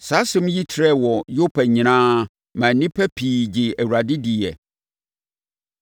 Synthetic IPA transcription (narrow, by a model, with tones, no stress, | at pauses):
sa˦sʊ̃˦m˦ji˦tʰɾɛ˦wɔ˨jʊ˦pʰɛ˨ɲɪ̃˨nãː˦ | mã˨˦nĩ˦pʰæ˦pʰiː˨d͡ʑɪ˨æ˨wu˨ɾa˨dɪ˦di˨ɛ̰˨